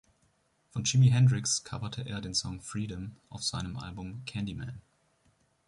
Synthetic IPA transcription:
fɔnt͡ʃɪmiɦɛndʁɪkskʰa̰vɐtʰəʔeːɐdeːnsɔŋfʁiːɾəmʔaʊfz̥aɪnəmʔa̰lbʊmkʰɛndimɛ̰n

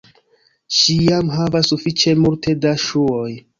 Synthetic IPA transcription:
ʃijamɦavasːufit͡ʃe̞multʰe̞daʃuoj

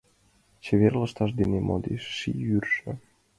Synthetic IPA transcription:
t͡ɕeβerləʃt̪ɑʃ̬d̪enemo̰d̪eʃːḭyrʃə̆

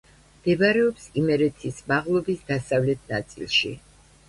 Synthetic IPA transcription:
md̪̥ɛbaɾɛɔpsimɛɾɛt̪ʰismaʁlˠɔbisd̪asavlɛt̪ʰnat̪sʼḭlˠʃḭ

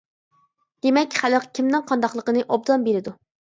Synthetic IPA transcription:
d̪̥emɛkʲχæləqkʲʰimnɪŋqʰɑnd̪ɑχlˠəqənɨʔob̚d̪ɑmbeɾɪd̪u

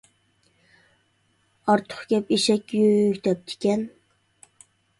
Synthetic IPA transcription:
ɑɾt̪ʰʊ̥χkʲɛpiʃɛkʲjøkʲt̪ʰɛp̚t̪ʰɪ̥kʲɛn

